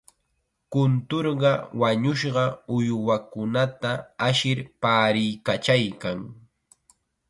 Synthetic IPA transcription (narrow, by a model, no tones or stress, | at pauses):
kʊnt̪oɾɢɑwaɲʊʃɢɑʊjwakʊnat̪aaʃɪɾpaːɾɪjkat͡ʃajkaŋ